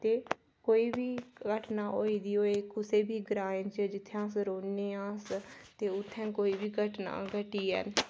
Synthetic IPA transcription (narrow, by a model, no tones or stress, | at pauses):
t̪eː | koːiːbʱiːɡəʈnaːʔoːiːd̪iːoːeːkʊseːbʱiːɡɾãːnt͡ʃəd͡ʒɪt̪ʰːãːsəɾoːneːãːst̪eːʊt̪ʰːɛ̃ːkoːiːbiːɡəʈna̰ːɡəʈiːɦə̰n